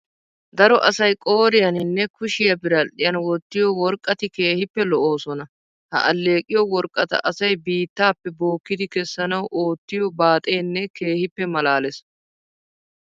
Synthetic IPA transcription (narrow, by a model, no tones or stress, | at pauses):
d̪ɐɾɔʔɐsɐjkʼo̞ːɾɪjɐnɪnːɛkʊʃɪjɐbɪɾɐʔɪjɐnwɔt̪ːɪjɔwɔɾkʼːɐt̪ɪke̞ːhɪpːɛlɔʔoːsɔnɐ | hɐ̰ʔɐlːe̞ːkʼɪjɔwɔɾkʼːɐt̪ɐ̰ʔɐsɐjbiːt̪ːaːpːɛbo̞ːkːɪd̪ɪkɛsːɐnɐwʔo̞ːt̪ːɪjɔbaːt̪ʼeːnːɛke̞ːhɪpːɛmɐlaːlɛs